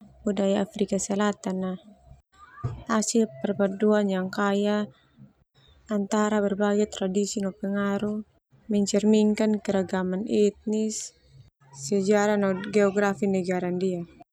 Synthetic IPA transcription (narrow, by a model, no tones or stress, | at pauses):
budajaafɾikasɛlat̪ana | asilpɛrbaduanjaŋkaja | nt̪aɾabɛrbaɡɛjt̪ɾadisinɔpɛŋaɾu | mɛɲt͡ʃɛrmiŋkankɛɾaɡamanit̪̚nisː | ɛd͡ʒaɾanɔɡɛɔɡɾafinɛɡaɾandia